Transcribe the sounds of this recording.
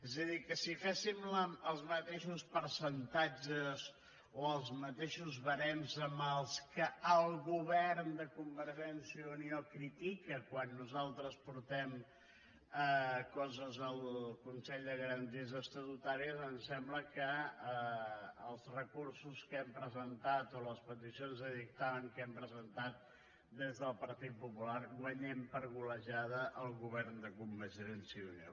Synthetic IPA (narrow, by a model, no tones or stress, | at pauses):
ɛzəðikəsifɛsimləəlˠzmət̪eʃuspəɾsənt̪ad͡ʒəz | oəlˠzmət̪eʃuzβəɾɛnzəməlˠskəəlˠɣuβɛɾnd̪əkumbəɾʒɛnsiəuniokɾit̪ikəkwanːuzalˠt̪ɾəspuɾt̪ɛm | əkɔzəzəlˠkunsɛʎd̪əɣəɾənt̪iəzəst̪ət̪ut̪aɾiəzənsɛmbləkəəː | lˠzrəkursuskɛmpɾəzənt̪at̪oləspət̪isionzəðik̚t̪aβəŋkɛmpɾəzənt̪at̪̚ | d̪ezðəlˠpəɾt̪it̪̚pupulaɾɡwəɲɛmpəɾɣuləʒaðəʔəlˠɣuβ̞ɛɾnd̪əkumbəʒɾɛnsiunio̰